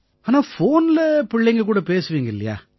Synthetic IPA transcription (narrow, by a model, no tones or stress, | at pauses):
aːnaːfoːnɪlɐpɪɭːɛŋɡɐkuːɽɐpeːsɯʋiːŋɡɐɪlːɐ̰ja̰ː